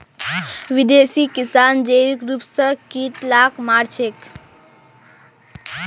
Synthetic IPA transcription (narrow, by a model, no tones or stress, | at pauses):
ʋid̪esiːkisaːnd͡ʒeikɾupsəkiːʈ̪laːkmaːɾt͡ʃʰek